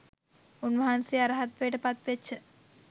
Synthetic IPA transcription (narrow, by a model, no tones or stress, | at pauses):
unʋɐɦansiaɾɐɦat̪ʋeːʈəpat̪ʋet͡ʃːə